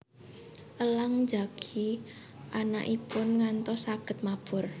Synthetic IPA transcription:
ʔəlaŋd͡ʒa̤ɡ̥ʰi | ʔana̰ʔipʊnŋant̪ɔsaɡ̥ə̤t̪̚mab̥ʊr

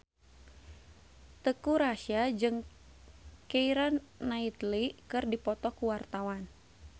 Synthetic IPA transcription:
t̪əkuɾaʃiad͡ʒɨŋ | keiɾanːait̪likɨrdipɔt̪ɔkuwart̪awan

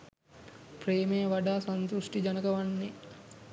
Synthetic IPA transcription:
preːmejəʋaɖaːsant̪usʈid͡ʒanəkəʋanːe

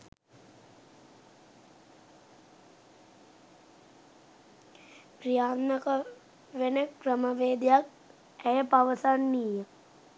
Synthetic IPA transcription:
prijaːnnəkə | ʋenəkrəməʋeːd̪ejak̚ | æjəpaʋəsanːiːjə

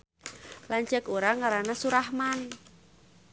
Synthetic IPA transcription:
lant͡ʃəkuɾaŋaɾanasuɾahman

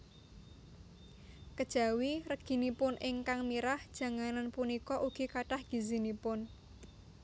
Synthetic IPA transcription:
kəd̥ʒ̥a̤wirəɡ̥i̤nipʊnʔɪŋkaŋmiɾahd̥ʒ̥ä̤ŋananpunikɔʔuɡ̥i̤kaʈahɡ̥i̤zinipʊn

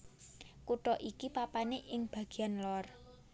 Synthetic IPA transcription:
kuʈɔʔikipapaneʔɪŋb̥a̤ɡ̥i̤anlɔr

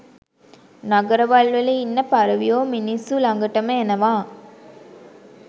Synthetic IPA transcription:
naɡəɾəʋɐɭʋəleinːəpaɾɐʋijoːminisːulaŋɡəʈəməenəʋaː

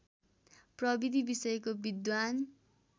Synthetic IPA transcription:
prʌbid̪ʱibisʌjʌkobid̪wan

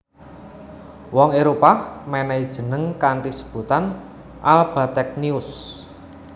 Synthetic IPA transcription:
wɔŋeɾopamɛnɛid̥ʒ̥ə̤nəŋkaɳʈisəb̥ṳt̪an | ʔalb̥a̤t̪ɛk̚niʊs

